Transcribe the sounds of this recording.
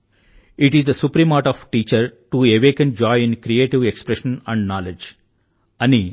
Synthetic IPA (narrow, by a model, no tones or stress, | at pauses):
ɪʈizd̪əsupɾĩːmaːɾʈɔːʋʈiːt͡ʃəɾʈueʋeːkə̃nd͡ʒɔːɪɪ̃nkɾieːʈiʋekspɾeʃə̃næ̃ɳɖnaːled͡ʒ | ɐni